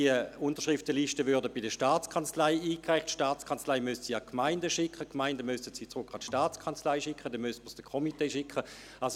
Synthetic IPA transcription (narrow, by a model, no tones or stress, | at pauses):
iəʊntəʃʁɪftəliʃtəvyɐdəb̥ɪdəʃtaːt͡skʰɑnt͡slaɪiːkʁaɪχtʃtaːt͡skʰɑnt͡slaɪmʏstsiɑkʰmaɪndəʃɪkʰəkmaɪndəmʏstətsit͡sʁʊkʰɑtʃtaːt͡skʰɑnt͡slaɪʃɪkχədɛnmystməsd̥əkʰɔmiteːʃɪkʰə | as